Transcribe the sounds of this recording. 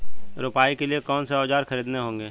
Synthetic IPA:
ɾʊpaːikeliekɔːnseɔːd͡ʒaːɾxɐɾiːd̪neɦõːŋɡeː

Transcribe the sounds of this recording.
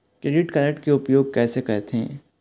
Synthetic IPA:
kɾeːɖɪʈkɐːɾəʈkeʊpjoːɡ̚kɛːsekɛɦt̪ɦḛ̃ː

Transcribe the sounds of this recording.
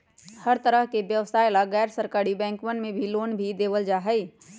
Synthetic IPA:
həɾt̪əɾəɦkeʋjəʋsaːɪlaɡɛːɾsəɾkaːɾibɛ̃ːŋkmənmẽbʱiloːnbʱid̪eːʋəld͡ʒaːɦəi

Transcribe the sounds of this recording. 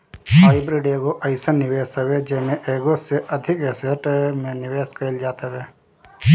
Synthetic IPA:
haːɪbɾiɖeːɡoʔɐɪsanːɪʋeːsɐʋed͡ʒemẽʔeːɡoseʔɐd̪ʱɪkeseʈmẽnɪʋeːskəɪld͡ʒaːt̪eʋeː

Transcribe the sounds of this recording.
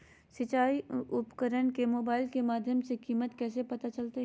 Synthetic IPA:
sɪt͡ʃaːiʊpkəɾəɳkemoːbaːɪlkemaːd̪ʱjəmsekiːmət̪kɛːsepɐt̪at͡ʃɐlt̪eɦ

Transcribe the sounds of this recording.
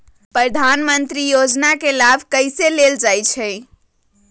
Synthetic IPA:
pɾəd̪ʱanmənt̪ɾijod͡ʒnakelabʱkəɪseleld͡ʒajt͡ʃʰɛɪ

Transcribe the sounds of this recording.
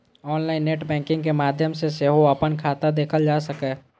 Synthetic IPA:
ɔːnlaːɪnːeːʈbɛ̃ːŋkɪ̃ŋɡkemaːd̪ʱjəmseseɦoɐpənkʰaːt̪ad̪eːkʰəld͡ʒaːsəkɛː

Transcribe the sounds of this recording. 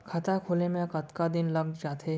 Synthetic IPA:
kʰɐt̪akʰoːlemẽkɐt̪kad̪ɪnlɐɡ̚d͡ʒaːt̪ʰe

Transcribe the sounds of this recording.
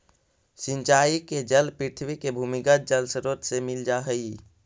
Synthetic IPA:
sint͡ʃaiked͡ʒəlpɾiɾt̪ʰwikebʱumiɡət̪̚d͡ʒəlsəɾot̪semild͡ʒaɦəi

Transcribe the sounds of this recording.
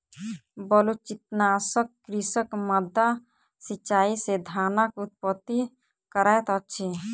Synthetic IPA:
bəlut͡ʃit̪nasəkːɾisəkməd̪ːa | sit͡ʃːaːised̪ʱanəkut̪̚pət̪ːi | kəɾət̪ət͡ʃʰi

